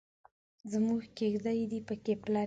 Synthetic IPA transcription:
zmuɡkeɡd̪ajd̪ipəkeplɑ

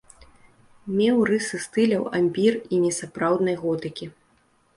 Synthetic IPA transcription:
mʲɛwrɨsɨst̪ɨlʲɐwa̰mʲpʲirinʲɛsapɾawd̪nɐjɣɔt̪ɨkʲi

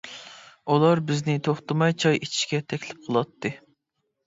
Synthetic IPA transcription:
ulˠɑɾbɪznɪt̪ʰoχt̪ɨmɑjt͡ʃʰɑjet͡ʃʰi̥ʃkʲɛt̪ʰɛkʲlɪp̚qʰəlˠɑt̪ːɨ

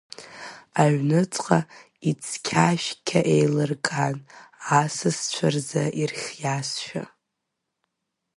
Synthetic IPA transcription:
aɥnɨt͡sʼqʼa | it͡sʰkʲʰaʃkʲʰaʔejlɨrkʼanasɨst͡ɕʷʰarzaʔirχʲjasʃᶣa̰

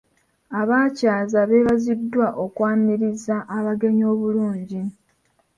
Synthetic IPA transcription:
aβaːcaːzaβeβazidːwaʔokwaːniɾizaʔːβaɡe̞ɲo̞ːβuluːɲɟi

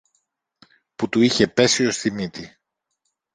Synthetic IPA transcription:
put̪uiçe̞pe̞sio̞st̪imit̪i

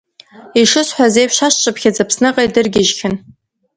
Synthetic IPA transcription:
iʂɨsħʷazejpʃaʃt͡ʃʼɨpʰxʲad͡zapʰsnɨqʼajdɨrɡʲɪʒxʲɪn

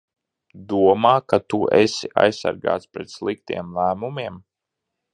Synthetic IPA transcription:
d̪uɔmaːkat̪uɛ̰sʲiʔa̰jsːa̰ɾɡa̰ːt̪spɾɛt̪slˠik̚t̪ḭɛmlˠæːmumiɛm

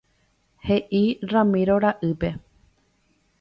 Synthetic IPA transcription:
he̞ʔirãmĩɾoɾaʔɨpe̞

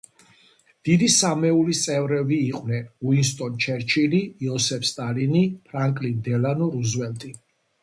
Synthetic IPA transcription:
d̪̥id̪isamɛulist̪sʼɛvɾɛbiːqʼwnɛnuinst̪ʼɔnt͡ʃʰɛɾt͡ʃʰiliːɔsɛpʰst̪ʼalinipʰɾaŋkʼlind̪ɛlanɔɾuzwɛlt̪ʼi

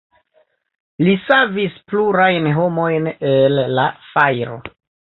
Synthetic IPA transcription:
lisavispluɾajnɦo̞mo̞jnelːafajɾo̞̰

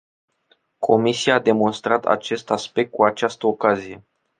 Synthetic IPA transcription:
kʰo̞misiaːd̪e̞mo̞nst̪ɾat̪a̰t͡ʃe̞st̪aspe̞k̚t̪̚kuat͡ʃast̪əokazije̞

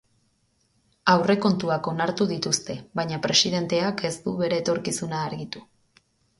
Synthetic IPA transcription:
awre̞ko̞nt̪uako̞naɾt̪uðit̪ust̪e̞βajɲapɾe̞sið̞e̞nt̪e̞ake̞st̪uβe̞ɾe̞ːt̪o̞ɾkisunaːɾɣit̪u

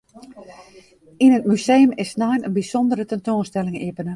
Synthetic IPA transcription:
inət̚mysejəmɪsnajnənbisɔndəɾətɛntoːnstɛlɪŋepənə

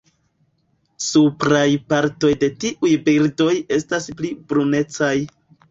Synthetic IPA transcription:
supɾajpaɾto̞jde̞tiʔujbiɾdo̞je̞stasplibɾune̞t͡saj

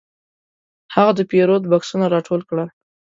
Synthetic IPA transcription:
haɣad̪əpeɾod̪baksunaɾɑʈʰolkɽəl

